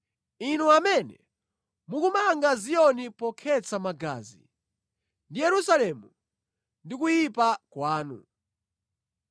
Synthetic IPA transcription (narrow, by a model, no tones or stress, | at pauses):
inuamɛnɛ̰ | mukumaŋɡazijɔnipɔkʰɛt͡sʰamaɡa̰ːzḭ | ndijɛɾusalɛmu | ndikujipakwaːnṵ